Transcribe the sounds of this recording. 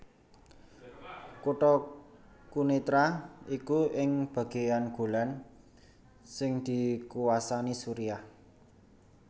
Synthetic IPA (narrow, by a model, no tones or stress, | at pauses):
kuʈɔ | kunit̪ɾaikuɪŋb̥ä̤ɡ̥e̤janɡ̥o̤lan | sɪŋd̪̥i̤kuwasanisuɾiah